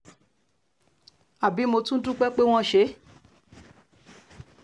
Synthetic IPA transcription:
a˨bi˨˦mo˧tũ˦n̩˦tũ˦k͡pɛ˦k͡pe˦w̃ɔ̃˦˨ʃe˨˦

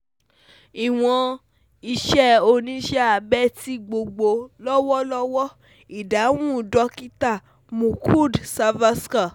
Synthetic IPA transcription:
i˨w̃ɔ̃˧ | i˧ʃɛ˦o˧nĩ˧˦ʃɛ˦a˨bɛ˦ti˦ɡ͡bo˧ɡ͡bo˧lɔ˦wɔ˦lɔ˦wɔ˦ | i˨da˨˦w̃ũ˦˨dɔ˨˧ki˦ta˦˨ | mũ˨kʰu˦˨dsa˧va˦ska˦˨

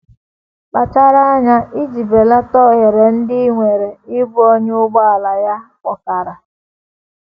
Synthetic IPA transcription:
k͡pa˨t͡ʃa˦ɾa˦a˦ɲa˦ʔi˦d͡ʒi˨be˨la˦tɔ˦ɣe˨ɾe˨n̩˦dɪ˦ŋʷe˨ɾe˨ɪ˦bu˦ɔ˦ɲ˦ʊ˦ɡ͡bɔ˦a˨la˨ja˦kʷɔ˨ka˨ɾa˨

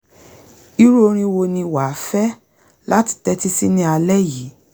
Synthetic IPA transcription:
i˦ɾo˦˧ɾ̃ĩ˧wo˧nĩ˧wa˨fɛ˦ | la˦ti̥˦˨tɛ˦ti˦si˦nĩ˦a˧lɛ˦ji˨˦

